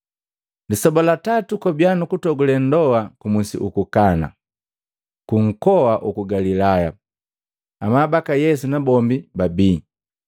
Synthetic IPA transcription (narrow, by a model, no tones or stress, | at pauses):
ndisɔbɔlatatukɔbjanukutɔɡulɛn̩dɔwakumusḭʔukukana̰ | kuŋ̩kɔwaʔukuɡalilaja | amabakajɛsunabɔmbibabiː